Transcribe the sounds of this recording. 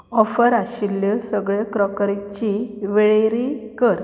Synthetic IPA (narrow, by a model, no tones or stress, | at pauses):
ɔfəɾaɕilːəsəɡɭekɾɔkɾit͡ɕiʋeɭeɾikəɾ